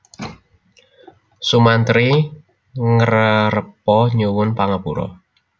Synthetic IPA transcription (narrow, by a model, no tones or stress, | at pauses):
sumant̪ɾi | ŋəɾəɾəpɔɲowʊnpaŋəpuɾɔ̰